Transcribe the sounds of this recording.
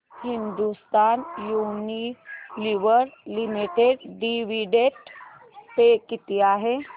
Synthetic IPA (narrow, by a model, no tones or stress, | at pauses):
hɪnd̪ust̪aːnjuːniliʋəɾlimiʈeɖɖiʋiɖeʈ | pekit̪ijaɦe